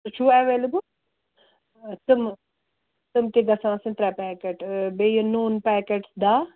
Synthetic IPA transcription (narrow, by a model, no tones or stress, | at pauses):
t͡ʃʰuːɛʋeːləbəl | t̪əm | t̪əmt̪eɡɐsãːsɪ̃nt̪ɾapɛːkeʈbeːjənuːnpɛːkeʈsd̪aː